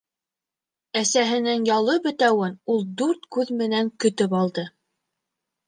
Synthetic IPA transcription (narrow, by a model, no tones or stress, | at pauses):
æsæɦɘ̆nɘŋjɑlˠɤbɘ̆t̪æwɘnulˠd̪ʉɾt̪kʉðmɘ̆næŋkɵ̆t̪ɵpɑlˠd̪ɤ